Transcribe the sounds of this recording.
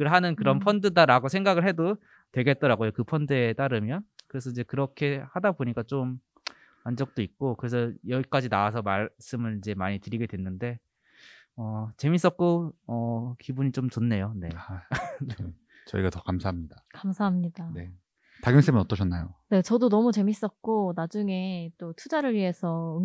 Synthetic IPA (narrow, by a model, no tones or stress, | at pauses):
ɯɭɦanɯnkɯɾʌnpʰʌndɯdaɾaɡosʰe̞ŋɡaɡɯɭhe̞do | twe̞ɡe̞t̚t͈ʌɾaɡojokɯpʰʌndɯe̞t͈aɾɯmjʌnkɯɾe̞sʰʌid͡ʑekɯɾʌkʰe̞hadaboɲik͈at͡ɕom | and͡ʑʌk̚t͈oik̚k͈okɯɾe̞s̬ʰʌjʌɡik͈ad͡ʑinawasʰʌmaɭs͈ɯmɯɭid͡ʑe̞maɲitɯɾiɡe̞dwe̞nːɯnde̞ | ʌt͡ɕe̞mis͈ʌt̚k͈oʌkibuɲit͡ɕomt͡ɕonːe̞jone̞ | ne | t͡ɕʌiɡatʌkamsʰaɦamɲidakamsʰaɦamɲidane̞ | taɡɯms͈ʰɯmɯnʌt͈ʌɕʰʌnːajone̞t͡ɕʌdonʌmut͡ɕe̞mis͈ʌt̚k͈onad͡ʑuŋe̞t͈otʰud͡ʑaɾɯɭɥiɦe̞sʰʌɯ